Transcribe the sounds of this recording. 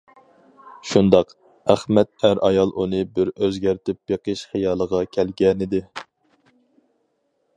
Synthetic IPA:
ʃund̪ɑq | æχmɛt̪̚æɾʔɑjɑlˠʔunɨbɪɾøzɡʲæɾt̪ɪp̚jeqəʃχejɑːlˠəʁɑkʲʰɛlɡʲɛnɪd̪ɪ

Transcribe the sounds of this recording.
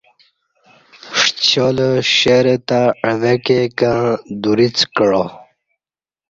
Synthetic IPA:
ʂt͡ɕoləɕeɾet̪aəvekekə̃d̪uɾit͡skəɻo

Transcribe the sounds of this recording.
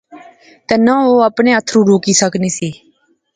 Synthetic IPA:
t̪ɛːnãːoːəpɳẽːət̪ʰɾũːɾoːkiːsəkniːsiː

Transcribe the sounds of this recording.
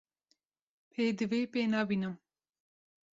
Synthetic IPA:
pʰeːd̪ɨveːpeːnaːbiːnɨm

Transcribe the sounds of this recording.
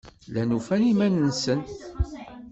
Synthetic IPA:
lænufæɾimænənsən

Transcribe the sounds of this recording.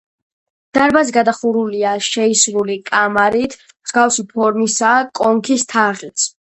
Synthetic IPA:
d̪̥aɾbazɛɡad̪aχuɾuliaʃɛisɾulikʼamaɾit̪ʰ | mz̥ɡafsipʰɔɾmisakʼɔŋkʰist̪ʰaʁit̪sʰ

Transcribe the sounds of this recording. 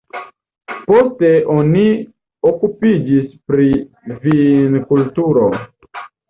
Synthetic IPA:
po̞ste̞ʔo̞ni | okupid͡ʒispɾi | vinkultuɾo̞

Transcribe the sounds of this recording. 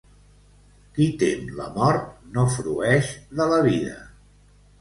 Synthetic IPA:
kit̪enlə̰mɔɾt̪̚nofɾuɛʃðələβiðə̰

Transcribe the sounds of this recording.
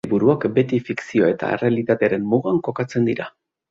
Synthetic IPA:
βuɾuakbe̞t̪ifiksio̞e̞t̪a̰ḛre̞alit̪at̪e̞aɾe̞mmuɣaŋko̞kat͡se̞nd̪iɾa

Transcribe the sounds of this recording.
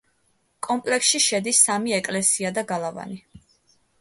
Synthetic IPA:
kʼɔmpʼlɛksʃiʃɛd̪isːamiɛkʼlɛsiad̪aɡalˠava̰ni

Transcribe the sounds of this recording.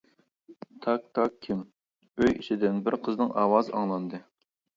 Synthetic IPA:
t̪ʰɑk̚t̪ʰɑkʲʰːim | øjit͡ʃʰid̪ɪnbɪɾqʰəznɨŋɑːwɑzɑ̰ŋlˠɑnd̪ɨ

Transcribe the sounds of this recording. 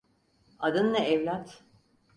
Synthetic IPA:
ad̪ɯnːɛɛvlʲat̪

